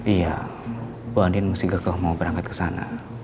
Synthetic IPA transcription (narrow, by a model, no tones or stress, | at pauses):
ija̰ | boandinməsiɡakalahmaubəɾaŋkat̪̚kə̥sana̰